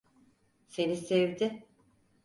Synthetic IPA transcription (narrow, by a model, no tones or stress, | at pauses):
se̞nisevd̪ɪ